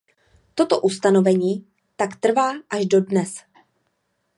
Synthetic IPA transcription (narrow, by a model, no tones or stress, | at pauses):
t̪o̞t̪oʔust̪ano̞vɛɲiː | t̪akt̪r̩vaːʔaʒdo̞dnɛs